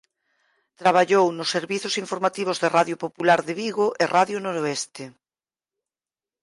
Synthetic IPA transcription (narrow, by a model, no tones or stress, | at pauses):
t̪ɾaβ̞aʎownʊsːeɾβiθʊsiɱfoɾmat̪iβ̞ozðeraðjopopulaɾðɪβiɣoʔɪraðjonoɾoɛst̪ɪ